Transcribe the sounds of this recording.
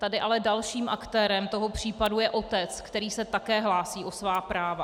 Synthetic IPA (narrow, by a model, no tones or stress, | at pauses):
t̪adɪʔalɛdalʃiːmʔakt̪ɛːɾɛmt̪o̞ɦopr̝̥iːpadujɛʔo̞t̪ɛt͡skt̪ɛɾiːsɛt̪akɛːɦlaːsiːʔo̞svaːpɾaːva